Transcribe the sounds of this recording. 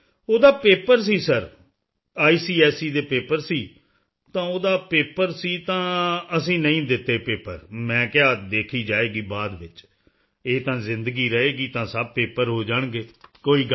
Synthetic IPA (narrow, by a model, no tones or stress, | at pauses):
oːd̪aːpeːpəɾs̬iːsəɾ | aːiːsiːɛːsiːd̪eːpeːpəɾsiː | t̪ãːoːd̪aːpeːpəɾsiːt̪ãːəsĩːnəĩːd̪ɪt̪ːeːpeːpəɾmɛ̃ːkɪaːd̪eːkʰiːd͡ʒaːeːɡiːbaːd̪ʋɪt͡ʃ | eːt̪ãːzɪ̃nd̪əɡiːɾəɦeːɡiːt̪ãːsəb̚peːpəɾɦoːd͡ʒaːɳɡeːkoːiːɡ